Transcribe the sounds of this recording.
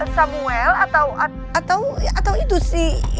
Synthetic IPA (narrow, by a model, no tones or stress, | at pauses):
samuɛlat̪awa | at̪awat̪awit̪usɪh